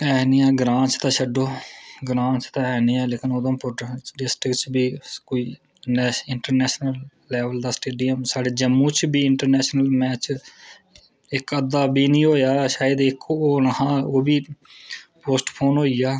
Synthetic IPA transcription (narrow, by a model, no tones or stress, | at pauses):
ɛːniːɛːɡɾãːt͡ʃt̪ãːʃəɖoːɡɾãːt͡ʃt̪ãːɛːniːɛːleːkɪnoːd̪õːpʊɖɪsʈɾɪkt͡ʃbiːkoːiː | nɛːɪɳʈəɾnɛːʃnəlː | ɛːʋəld̪aːsʈeːɖijəmsaːɖeːd͡ʒəmːũːt͡ʃʰbiːɪɳʈəɾnɛːʃnəlmɛːt͡ʃ | ɪkəd̪ːaːbiːnĩːɦoːjaːʃaːjəd̪ɪkoːnəɦãːoːbiː | poːsʈpʰoːnɦoːiːjaː